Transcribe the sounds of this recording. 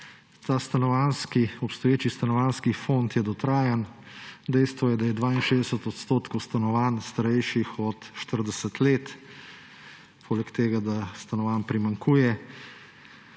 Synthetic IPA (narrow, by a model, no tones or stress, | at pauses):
t̪aːst̪anɔʋanskiɔpst̪ɔjeːt͡ʃist̪anɔʋaːnskifont̪jɛd̪ɔt̪ɾaːjan | d̪ɛjst̪ʋɔjɛd̪ajɛd̪ʋaːinʃeːzd̪ɛsət̪ɔt̪st̪oːt̪kɔwst̪anɔʋaːnst̪aɾɛjʃixɔt̪ʃt̪əɾd̪ɛsət̪leːt̪ | pʰoːlɛkt̪eːɡad̪ast̪anɔʋaːnpɾimaŋkʰuːjɛ